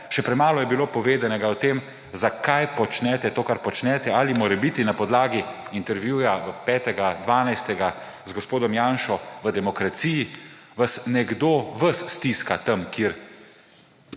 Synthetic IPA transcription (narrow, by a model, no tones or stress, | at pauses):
ʃɛpɾɛmaːlɔjɛbiloːpɔʋeːd̪anɛɡaɔt̪eːm | zakajpɔt͡ʃnɛt̪ɛt̪oːkaɾpɔt͡ʃnɛt̪ɛalimoːɾɛbit̪inapɔd̪laːɡiint̪ɛɾʋjuːjapɛːt̪ɛɡad̪ʋaːnajst̪ɛɡa | zɡɔspoːd̪ɔmjaːnʃɔʋəd̪ɛmɔkɾat̪siji | ʋasnɛɡd̪oʋəsːt̪iskat̪ɐmkiːɾ